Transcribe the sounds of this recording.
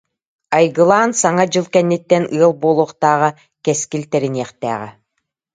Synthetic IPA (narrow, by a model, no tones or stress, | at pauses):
ajɡɯlˠaːnsaŋad͡ʑɯlˠkɛnːit̪ːɛnɯɐlˠbuɔlˠuːχt̪aːʁa | kɛskilt̪ɛɾiniɛχt̪æ̰ːʁɛ